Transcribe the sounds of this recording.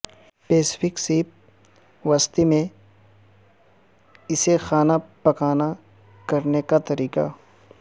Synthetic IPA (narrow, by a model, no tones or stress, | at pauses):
peːsɪ̥pʰɪksiːp̚ | ʋast̪imẽ | ɪsexaːnapɐkaːna | kɐɾnekat̪ɐɾiːka̰